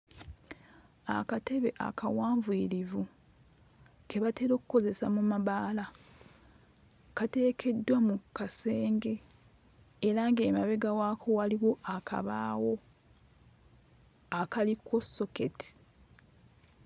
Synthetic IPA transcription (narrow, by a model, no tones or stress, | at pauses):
a̰kate̞βe̞ʔa̰kawaːɱvwiːɾivu | ke̞βate̞ɾo̞ːku̥ko̞ze̞samumaβaːla | kate̞ːkʰe̞dːwamukase̞ːŋɡe̞ː | ɾaŋɡe̞ːmaβe̞ɡawaːkʰo̞waliwo̞ʔakʰa̰βa̰ːwo̞ | akaliko̞so̞ke̞ti̥